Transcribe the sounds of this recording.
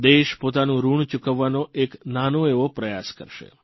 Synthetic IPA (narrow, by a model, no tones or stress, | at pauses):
d̪eʃpot̪anũɾuɳt͡ʃukəʋːanoʔeknanoeʋopɾəjaskəɾʃḛ